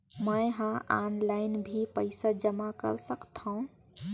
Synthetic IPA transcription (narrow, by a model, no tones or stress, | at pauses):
məjɦãanlaɪnbʱipəɪsad͡ʒəmakə̰ɾsəkt̪ʰə̃ʊ̃